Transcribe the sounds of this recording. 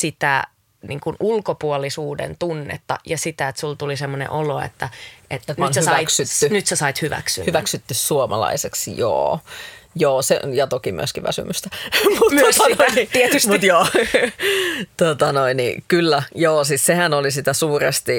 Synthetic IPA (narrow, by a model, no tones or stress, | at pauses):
sit̪æ | nḭːŋkunulkopuolisuːdḛnt̪unːḛt̪ːɑ̰jɑsit̪æet̪sult̪ulisemːonḛ̃ʔoloḛt̪ːæʔet̪nt̪nonsehysɑæiksyt̪ːynyt̪sesɑit̪hyʋæ̰ksy̰hyʋæksyt̪ːyssuomɑ̰lɑ̰iseksjo̰ːjoːsḛjɑt̪okimy̰øskiʋʋæ̰sy̰myst̪æmut̪myøsot̪iet̪ysmut̪joː | t̪ot̪ɑnoinnḭkylːæjoːsissehænolisit̪æsuːrest̪i